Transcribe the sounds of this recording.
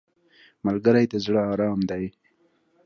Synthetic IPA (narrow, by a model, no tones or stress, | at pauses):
malɡəɾajd̪azɽəɑɾɑmd̪aj